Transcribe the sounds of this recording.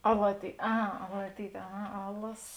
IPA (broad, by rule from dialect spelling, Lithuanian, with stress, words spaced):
ɐlˠɐtʲiː ˈɐ ɐˈlˠɑːtʲiːtʲ ɐˈɣɐ ˈɑːlˠɐsoːs